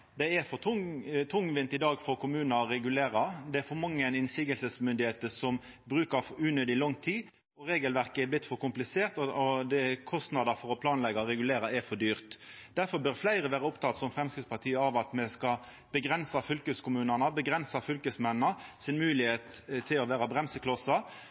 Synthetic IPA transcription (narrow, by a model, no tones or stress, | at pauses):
d̪ɛɛɾfɔt̪ʰʊŋt̪ʰʊŋːʋɪnt̪ɪd̪ɑːɡfɔɾkʰʊmʉːnəɾɾɛɡʉleːɾɑd̪ɛæɾfɔɾmɑŋːəɛnɪnsɪɡəlsəsmʏnd̪ɪheːt̪əsɔm | bɾʉːkəɾʉːnøːd̪ɪlɔŋt̪ʰiː | ɔɾeːɡəlʋæɾkəɛblɪt̪ːfɔɾkʊmplɪseːɾt̪ɔɔd̪ɛkʰɔst̪nɑd̪ɑɾfɔɾɔpʰlɑːnlɛɡɑɾɛɡʉleːɾɑɛfɔd̪yːɾt̪d̪̥æɾfɔɾbœɾflæɪɾəʋæːɾɑʊpt̪ʰɑt̪sɔmfɾʁɛmskɪt̪spɑʁt̪ʰiːəɑʋɑt̪mɛskɑ | b̥əɡɾɛnsɑfʏlkəskʊmʉːnɑnəbəɡɾɛnsɑfʏlkəsmɛnːnəsɪnmʉːlɪheːt̪t̪ʰːɪlɔʋæːɾɑbʁɛmsəkʰlɔsɑ